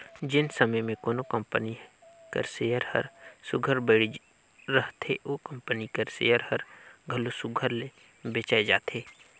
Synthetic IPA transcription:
d͡ʒɪnsəməjmẽkoːnokə̃mpəni | kə̰ɾseːjəɾhə̰ɾsʊɡʱəɾbəɽi | ɾəɦt̪ʰeʔoːkə̃mpənikəɾsḛːjəɾhəɾɡʱəlosʊɡʱəɾle | beːt͡ʃaːed͡ʒaːt̪ʰeː

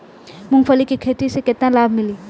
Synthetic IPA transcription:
muŋfalikikʰeʈiseket̪nalabmili

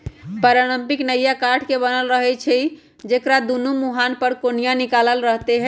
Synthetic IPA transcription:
pəɾaɽ̃əmpiknəjakaʈʰkebənəlɾəɦɛt͡ʃʰɛ | d͡ʒekɾad̪unumuɦanpəɾkonijanikaləlɾəɦt̪eɦɛ

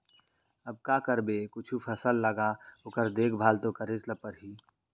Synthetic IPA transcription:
əb̚kakəɾbekʊt͡ʃʰupʰəsəlːəɡaokəɾd̪eːkʰbʱaːlt̪okəɾɪt͡ʃləpəɾɦiː

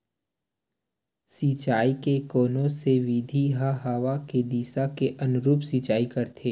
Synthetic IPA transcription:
siːt͡ʃaːikekɔːnõseʋid̪ʱiɦaɦaʋaked̪iːsakeʔɐnʊɾuːpsiːt͡ʃaːikɐɾt̪ʰeː

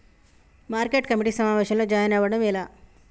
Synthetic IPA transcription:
maːɾkeːʈkɐmiʈiːsɐmaːʋeːʃɐmlo̞ːd͡ʒaːjɐnɛʋɐɽɐmilaː

